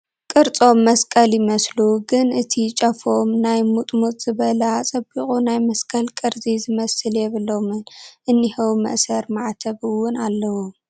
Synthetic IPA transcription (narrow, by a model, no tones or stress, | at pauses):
kʼɨɾt͡sʼo̞mːɐskʼɐljɪmɐsluɡɨnɨt̪ʰit͡ʃʼɐfo̞mnajmut̪ʼmut̪ʼz̥ɨβɐlɐat͡sʼɐbiχʼunajmɐskʼɐlkʼɨɾzizɨmɐsɨljɛβɨlo̞mɨnʔɨnːihɐwmɐ̰ʔsɐɾmaʕt̪ʰɐβɨwːʊnalːɐwu